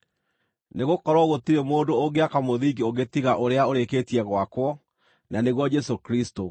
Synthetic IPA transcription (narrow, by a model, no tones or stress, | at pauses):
neɣokɔɾwɔɣotiɾemoːdoːɡeakamoðiɡioɡetiɣaʔoɾeaoɾeketiɛɣwakwɔ | naneɣwɔd͡ʒɛsokɾisto